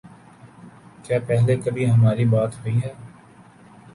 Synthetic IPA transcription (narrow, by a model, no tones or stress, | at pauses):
kjaːpɛɦlekɐbʱiɦɐmaːɾibaːt̪ɦoiɦɛː